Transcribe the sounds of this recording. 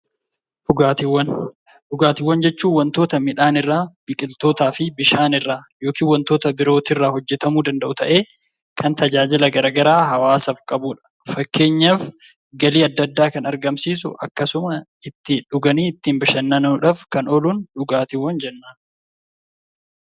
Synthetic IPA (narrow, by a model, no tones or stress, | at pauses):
ᶑʊɡaːt̪ɪwːɐn | ᶑʊɡaːt̪ɪwːɐnd͡ʒɛt͡ʃːuːwːɐnt̪o̞ːt̪ɐmɪᶑaːnɪrːaːb̥ɪkʼɪlt̪o̞ːt̪aːfɪbɪʃaːnɪrːaːjo̞ːkiːnwɐnt̪o̞ːt̪ɐbɪɾo̞ːt̪ɪrːaːhɔd͡ʒːɛt̪ɐmuːd̪ɐnd̪ɐʔʊt̪ɐʔe̞ː | kʰɐnt̪ɐd͡ʒaːd͡ʒɪlɐɡɐɾɐɡɐɾaːɦɐwaːsɐfkʼɐbuːᶑɐ̥ | fɐkːe̞ːɲːɐf | ɡɐliːɐd̪ːɐd̪ːaːkɐnɐɾɡɐmsiːs̬ʊ̰ʔɐ̰kːɐsʊmɐɪt̪ːɪᶑʊɡɐniːɪt̪ːiːmbɪʃɐnːɐnuᶑɐfkɐnɔluːnᶑʊɡaːt̪ɪwːɐnd͡ʒɛnːaː